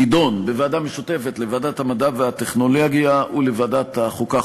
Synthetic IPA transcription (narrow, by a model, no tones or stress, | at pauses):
ido̞nbeveadameʃut̪efet̪leveadathamadaveat̪eχno̞lo̞ɡjaʔulevadat̪haχuka